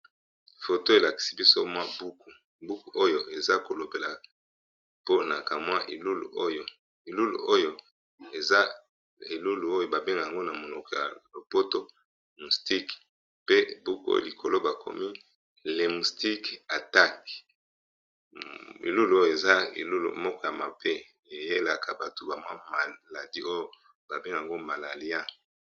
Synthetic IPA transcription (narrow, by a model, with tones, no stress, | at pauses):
fo˨to˦e˨la˨ki̥˨si̥˦bi˦so˦mwa˦bu˦ku˨ | bu˦ku˨ʔo˦jo˦ʔe˨za˦ko˨lo˨be˨la˨ | po˦na˨ka˨mwa˦ʔe˨lu˦lṵ˨ʔo˦jo˦ | e˨lu˦lṵ˨o˦jo˦ | e˨za˦ | e˨lu˦lu˨o˦jo˦ba˨be˦ŋɡa˨ja˨ŋɡo˦na˨mo˨lɔ˨kɔ˨ja̰˨lo˨po˦to˦ | mu˨sti˦k | pe˦bu˦ko̰˦li˨kʰo˨lo˦ba˨kʰo̰˨mi˦ | le˨mu˨sti˦ka˨ta˦k | ḛ˨lu˦lu˨o˦jo˦e˨za˦ḛ˨lu˦lṵ˨mɔ˦kɔ˦ja˨ma˨pe˦ | e˨je˦la˨kʰa˨ba˨to˨ba˨mwa˦ma˨la˨di˦o˦jo˦ | ba˨be˦ŋɡa˨ŋɡo˦ma˨la˨li˦a˦